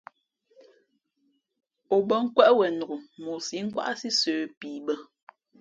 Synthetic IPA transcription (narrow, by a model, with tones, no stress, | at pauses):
o˨bə˦˨ŋ̩˦kwɛ˦ʔwɛ˨nu˨ɡu˨mo˨si˨˦ŋ̩˦kwa̰˦ʔsi˦søː˨piː˨bə˦